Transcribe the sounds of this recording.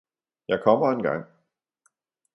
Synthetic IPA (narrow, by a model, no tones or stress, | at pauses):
jɑ̈ɪkʰɒ̽m̰ɐe̝nɡ̥ɑ̈ŋ̰